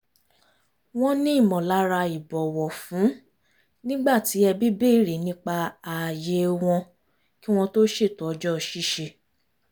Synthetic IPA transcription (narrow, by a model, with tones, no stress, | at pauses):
w̃ɔ̃˦nĩ˦i˦˨mɔ̃˨la˨˦ɾa˧i˨bɔ˨wɔ˨fũ˨˦ | nĩ˦ɡ͡ba˦˨ti˨˦ɛ˧bi˦be˦˨ɾi˨nĩ˦k͡pa˧a˨je˧˦w̃ɔ̃˧ | ki˦w̃ɔ̃˧to˦ʃe˦˨tɔ˨ɔ˧d͡ʒɔ˦˨ʃi˦˨ʃe˧